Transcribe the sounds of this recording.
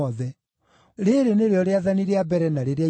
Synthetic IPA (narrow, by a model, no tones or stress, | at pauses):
ɔðɛ | ɾeɾeneɾeɔɾeaðaniɾeabɛɾɛnaɾeɾea